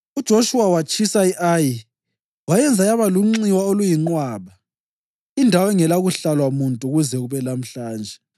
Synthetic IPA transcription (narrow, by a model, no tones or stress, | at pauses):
ud̥ʒ̥ʱoʃuwawat͡ʃʼisaiʔaːji | wajɛnd͡zʱajaβaluŋ͡ǀiwaolujiŋ͡ǃwaːβa | indʱawɛŋɛlaɣuɬalwamuntʼuɣuzɛɣuβɛlam̩ɬaːnd͡ʒʱɛ